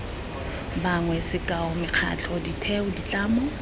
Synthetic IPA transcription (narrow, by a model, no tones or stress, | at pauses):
baŋwɛsɪkʼaɔmɪq͡χʰa̰t͡ɬʰʼɔditʰɛʊdit͡ɬʼaːmɔ